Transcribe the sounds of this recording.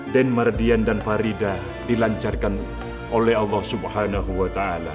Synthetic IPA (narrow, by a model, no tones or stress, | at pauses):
dɛnmardiandanfaɾida | d̥ilaɲt͡ʃarkan | ʔolɛhɑlːɑhsubhanaɦuwat̪aala